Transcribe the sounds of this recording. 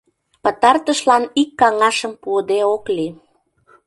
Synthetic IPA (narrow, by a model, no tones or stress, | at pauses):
pət̪ɑrt̪əʃlɑnikːɑŋɑʃəmpuəd̪eokli